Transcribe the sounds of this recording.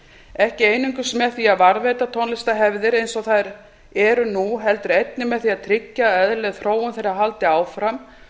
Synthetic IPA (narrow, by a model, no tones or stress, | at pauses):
ɛhcɪeːjniŋkʏsmɛðθiaðvaɾvet̪at̪ʰonlɪst̪aɦɛvðɪɾejnsɔθaðɾ | ɛɾʏnuɦɛlt̪ʏɾejt̪̚nɪmɛðθiaðt̪ʰɾɪcːaɛðlɛɣθɾoːwʏmθejɾaɦalt̪ɪaːwfɾam